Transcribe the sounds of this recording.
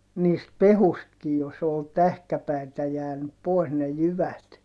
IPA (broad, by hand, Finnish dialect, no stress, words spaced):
niːst pehustkij jos ol tæhkæpæitæ jæːnyp pois ne jyʋæt